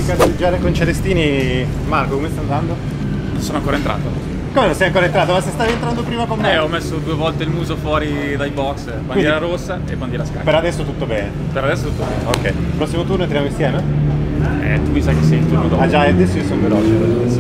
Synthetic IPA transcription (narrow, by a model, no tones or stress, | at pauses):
ipjat͡ʃoud͡ʒaːɾekont͡ʃeɾest̪iːni | markokomest̪aːnd̪and̪o | nonsoːnoaŋkoːɾaent̪ɾa̰ːt̪o | komenõnsɛjaŋkoːɾent̪ɾaːt̪omasest̪avent̪ɾand̪opɾiːmakomeɔmːesːod̪uːevɔlt̪eilmuːzofwɔːɾi | d̪ajbɔks | baniniɾaɾosːaḛband̪iɾaska̰peɾad̪ɛsːot̪ut̪ːobɛːnepeɾad̪ɛsːot̪ut̪ːobɛ̰ːneo̰kːɛ̰jpɾɔsːimot̪urnont̪ɾjamoĩnst̪jɛːme | ɛ̰t̪umisajkesːɛjint̪unod̪ɔad͡ʒaɛad̪ɛsːoiosonvelɔːt͡ʃeko